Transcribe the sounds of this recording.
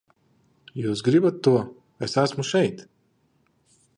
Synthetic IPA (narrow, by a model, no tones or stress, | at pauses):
juːsɡɾibat̪ːuɔ | ɛsæsmuʃɛjt̪